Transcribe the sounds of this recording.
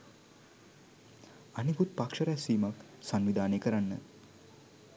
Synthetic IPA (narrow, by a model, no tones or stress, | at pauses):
anikut̪̚pakʂəɾɛsiːmaksanʋid̪aːneːkəɾanːə